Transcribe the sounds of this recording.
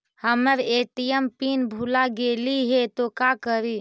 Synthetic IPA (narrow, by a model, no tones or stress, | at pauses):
həməɾeːʈijəmpinbʱulaɡeːliɦɛt̪okakəɾiː